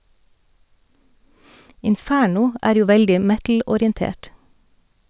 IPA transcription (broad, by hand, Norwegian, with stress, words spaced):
ɪnˈfæːɳʊ ˈæːɾ ˈjuː ˈʋɛldɪ ˈmɛtl̩ɔɾɪənˌteːʈ